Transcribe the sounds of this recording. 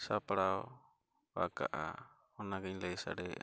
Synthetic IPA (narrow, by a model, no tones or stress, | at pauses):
sapaɽaɔ | ba̰ka̰ʔa̰ | ɔnaɡɛɲləjsa̰ɖɛ̰